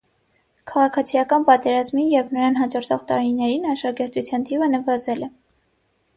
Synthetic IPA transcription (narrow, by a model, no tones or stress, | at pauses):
kʰɑʁɑkʰɑt͡sʰijɑkɑnpɑt̪ɛɾɑzmijɛvnəɾɑnɦɑd͡ʒɔɾt͡s̪ʰɔʁt̪ɑɾinɛɾinɑʃɑɡɛɾt̪ut͡sʰjɑnt̪ʰivənəvɑzɛlɛ